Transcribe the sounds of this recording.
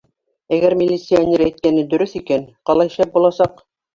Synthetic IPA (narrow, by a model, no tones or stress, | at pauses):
æɡæɾmʲɪlʲːit̪sijanʲeɾæjt̪̚kænɘd̪ɵ̆ɾɵθikænqɑlˠɑjɘ̆ʃæp̚bulˠɑsɑq